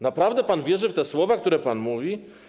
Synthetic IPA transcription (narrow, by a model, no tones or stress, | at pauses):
napɾavd̪ɛpanvʲjɛʐɘft̪ɛswɔvak̚t̪uɾɛpanmuvʲi